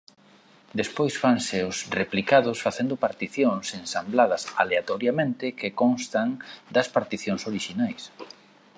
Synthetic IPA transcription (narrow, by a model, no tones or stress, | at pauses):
d̪espojsfaŋseʊsreplikaðʊsfaθend̪ʊpaɾt̪iθjoŋsensamblaðɐsa̰leat̪ɔɾjamẽnt̪ɪkekɔ̃nst̪aŋd̪ɐspaɾt̪iθjoŋsoɾiʃinajs